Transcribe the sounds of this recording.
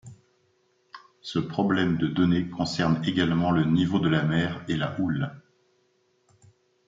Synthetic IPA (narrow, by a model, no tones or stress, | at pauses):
səpχɔblɛmd̪əd̪ɔnekɔ̃sɛʁneɡalmɑ̃lənivod̪əlamɛʁela̰ʔul